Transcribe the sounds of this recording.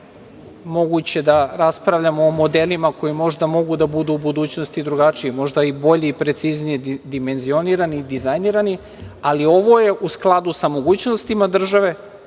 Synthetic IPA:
mo̞ɡut͡ɕe̞d̪aɾaspɾaʋʎamoːmo̞d̪elimako̞jimo̞ʒd̪amo̞ɡud̪abud̪uːbud̪uːt͡ɕno̞st̪id̪ɾuɡat͡ʃiemo̞ʒd̪aibo̞ʎiipɾe̞t̪siznijed̪ime̞nzio̞niɾanid̪izajniɾani | alio̞ʋo̞je̞ʔusklˠad̪usamo̞ɡuːt͡ɕnost̪imad̪r̩ʒaʋe̞

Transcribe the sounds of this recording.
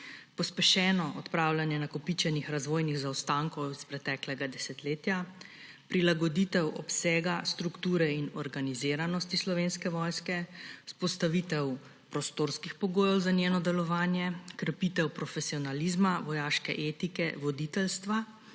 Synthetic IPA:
pɔspɛʃɛːnɔʔɔt̪pɾaːwlʲanjɛnakɔpit͡ʃɛnixɾazʋoːjniɣzawst̪aŋkɔwispɾɛt̪ɛːklɛɡad̪ɛsɛt̪leːt̪ja | pɾilaɡɔd̪it̪ɛwɔpsɛːɡast̪ɾukt̪uːɾɛinɔɾɡanizeːɾanɔst̪islɔʋeːnskɛʋɔjskɛspɔst̪aʋit̪ɛw | pɾɔst̪oːɾskixpɔɡoːjɛwzanjeːnɔd̪ɛlɔʋaːnjɛkɾpit̪ɛwpɾɔfɛsiɔnalizmaʋɔjaːʃkɛ̰ʔeːt̪ikɛʋɔd̪it̪ɛlst̪ʋa

